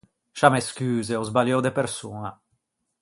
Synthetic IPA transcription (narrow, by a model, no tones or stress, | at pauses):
ʃameskyːzeozbaljowd̪epeɾsuːna